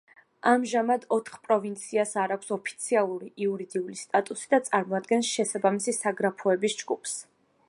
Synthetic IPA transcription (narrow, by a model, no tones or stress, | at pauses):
amʒamad̪ɔt̪ʰχpʼɾɔvint̪sʰiasaɾakʷʰsɔpʰi̥t̪sʰialˠuɾiiuɾid̪iulist̪ʼat̪ʼusi̥d̪at̪sʼaɾmɔad̪ɡɛnsʃɛsabamisisaɡɾapʰuɛbisd͡ʒɡupʰs